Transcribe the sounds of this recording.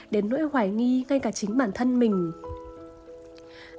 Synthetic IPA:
ɗe˨˦nːo̰ː˧˥˦jhwaː˧˩jŋi˧ŋa˧jkaː˧˩t͡ɕï˨˦ŋ̟ɓaː˧˩nt̪ʰə˧nmï˨˩ŋ̟

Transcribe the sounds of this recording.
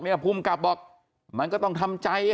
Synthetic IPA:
mi˥˩˨pʰuː˧˩˨mka˨˩p̚bɔː˨˩k̚ | ma˧nkɔ˥˩t̪ɔ˥˩ŋt̪ʰa˧mt͡ɕa˧j

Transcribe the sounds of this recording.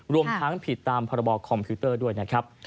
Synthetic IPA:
ɾu˧əmt̪ʰa˦˥ŋpʰi˨˩t̪ːaː˧mpʰɔː˧ɾa˧bɔː˧kʰɔ˧mpʰiː˦˥t̪ɤː˥˩du˥˩əjna˦˥kʰɾa˦˥p̚

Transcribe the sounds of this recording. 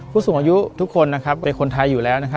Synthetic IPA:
kʰuː˥˩so˨˩˦ŋaː˧ju˦˥t̪ʰu˦˥kʰːo˧nːa˦˥kʰa˦˥p̚kɔ˧e˧nkʰo˧nt̪ʰa˧jːuː˨˩lɛː˦˥wna˦˥kʰa˦˥

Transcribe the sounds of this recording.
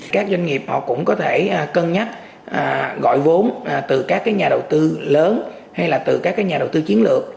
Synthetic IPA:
kaː˦˥k̚zwa˧ŋ̟ŋi˨˩əp̚hɔ̰˧˨kʊ̰˧˥ŋ͡mkɔ˨˦t̪ʰe˧˩ʔkə˧nɲa˦˥t̚ | ʔa˨˩ɣɔ̰˧˨jvo˨˦nʔt̪ɨ˨˩kaː˦˥k̚ːaː˨˦jɲaː˨˩ɗə˨˩wt̪ɨ˧ləː˨˦n | ha˧jlaː˨˩t̪ɨ˨˩kaː˦˥kːaː˨˦jɲaː˨˩ɗə˨˩wt̪ɨ˧t͡ɕi˨˦ənlɨ˨˩ək̚

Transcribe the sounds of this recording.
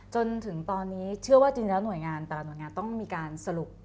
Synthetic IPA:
t͡ɕo˧nt̪ʰɯ˩˦ŋt̪ɔː˧nːiː˦˥t͡ɕʰɯ˥˩əwaː˥˩t͡ɕiː˧nlɛː˦˥nu˨˩əjŋaː˧nt̪ɛ˨˩nu˨˩əjŋaː˧nt̪ɔ˥˩ŋmiː˧kaː˧nsa˧ɾu˨˩p̚

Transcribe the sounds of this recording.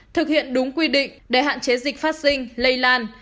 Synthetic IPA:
t̪ʰɨ˨˩k̚hḭ˧˨ənɗʊ˨˦ŋ͡mkwi˧ɗḭ˧˨ŋ̟ɗe˨˩ɦa̰ː˧˨nt͡ɕe˨˦zi˨˩k̟̚faː˦˥t̚si˧ŋ̟lə˧jlaː˧n

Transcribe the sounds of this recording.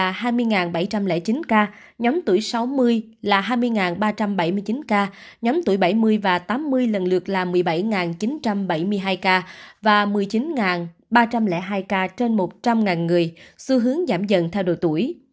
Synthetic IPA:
aː˨˩haː˧jmɨ˧əjŋaː˨˩nɓa˧˩jt͡ɕa˧mlɛ̰˧˥t͡ɕi˨˦nkaː˧ | ɲɔ˨˦mt̪u˧˩əjsa˨˦wmɨ˧əj | laː˨˩ɦaː˧jmɨ˧əjŋaː˨˩nɓaː˧t͡ɕa˧mɓa˧˩jmɨ˧əjt͡ɕi˨˦nkaː˧ | ɲɔ˨˦mt̪u˧˩əjɓa˧˩jmɨ˧əjvaː˨˩t̪aː˨˦mːɨ˧əjlə̰˨˩nlɨ˨˩ək̚laː˨˩mɨ˨˩əjɓa˧˩jŋaː˨˩nt͡ɕi˨˦nt͡ɕa˧mɓa˧˩jmɨ˧əjɦaː˧jkaː˧vaː˨˩mɨ˨˩əjt͡ɕi˨˦nŋaː˨˩n | ɓaː˧t͡ɕa˧mlɛ̰˧˥ɦaː˧jkaː˧t͡ɕe˧nmo˨˩t̚t͡ɕa˧mŋaː˨˩nŋɨ˨˩əjsu˧ɦɨ˨˦əŋzaː˧˩mzə̰˧˨nt̪ʰɛ˧wɗo̰˨˩jt̪ṵ˧˩əj

